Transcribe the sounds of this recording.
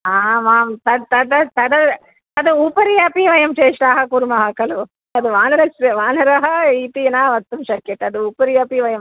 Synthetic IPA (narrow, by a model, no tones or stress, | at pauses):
aːmaːmt̪ɐt̪ɐd̪ɐt̪ɐd̪ɐ | ɐd̪uupɐɾijɐpiʋɐjɐmt͡ʃeːʂɾaːɦɐkuɾmɐɦaːkɐlu | ɐd̪uʋaːnɐɾɐsʋaːnɐɾɐɦɐiːt̪inaːʋɐt̪ːumʃɐkjeʈːɐd̪uupɐɾijɐpiʋɐjɐm